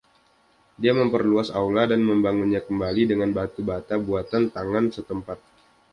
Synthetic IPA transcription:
diaməmpərluasauladanməmbaŋunɲakəmbalidəŋanbat̪ubat̪abuat̪ant̪aŋansət̪əmpat̪̚

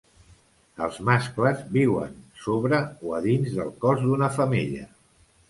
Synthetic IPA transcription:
əlˠzmaskləzbiwə̰nsoβɾəoəðinzðəlˠkɔzd̪unəfəmiʎə̰

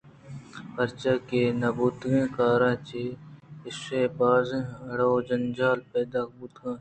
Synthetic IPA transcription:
xɐɾt͡ʃaːkeːnɐbuːt̪ɡẽːkaːɾãːt͡ʃeɪsebaːzẽɐɽaod͡ʒɐnd͡ʒaːlpeːd̪aːkbut̪ɡãː

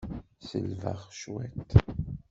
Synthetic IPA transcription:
sə̰lvə̰ʁʃwɛt̪

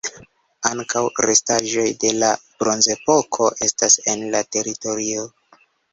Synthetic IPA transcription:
aŋkawɾe̞staʒo̞jde̞lab̥ɾo̞nze̞po̞kʰo̞ʔe̞stase̞nlate̞ɾito̞ɾio

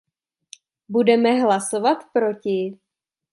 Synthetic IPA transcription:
budɛmɛɦlasovat̪pɾo̞cɪ

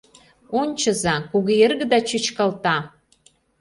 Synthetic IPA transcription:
onʲt͡ɕə̆zɑkuɣeerɣə̆d̪ɑt͡ɕət͡ɕkɑlt̪ɑ

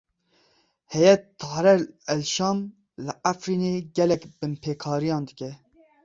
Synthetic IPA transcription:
hɛjɛt̪ʰːɑːɾɛɛlʃɑːm | lɨʔafɾiːneːɡɛlɛkbɨmpʰeːkʰɑːɾijɑ̃ːnd̪ɨkʲɛ

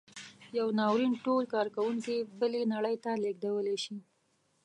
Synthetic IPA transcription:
jawnɑwɾinʈolkɑɾkawuŋkebəlenaɽəjt̪aleɡ̚d̪awəleʃi

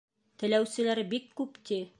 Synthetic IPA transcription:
t̪ɘ̆læwsɘ̆læɾbikːʉpt̪i

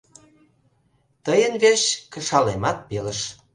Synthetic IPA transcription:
t̪əjənβeɕkə̆ʃɑlemɑt̪̚peləʃ

